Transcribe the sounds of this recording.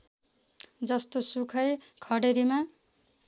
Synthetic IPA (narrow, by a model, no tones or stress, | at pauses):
d͡zʌst̪osukʰʌj | kʰʌɽeɾima